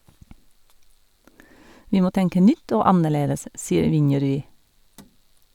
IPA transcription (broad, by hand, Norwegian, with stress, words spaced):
ˈʋiː ˈmoː ˈtɛŋkə ˈnʏt ˈoː ˈɑnəˌɭeːdəs ˈsiːəɾ ˈʋɪnjɛɾʉˌiː